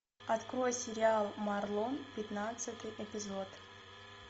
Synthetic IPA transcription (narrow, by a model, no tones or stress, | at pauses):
ɐt̪kɾo̞jsʲɪɾʲɪalˠmɐrlˠonpʲɪt̪nat̪sɨt̪ɨjɛpʲɪzot̪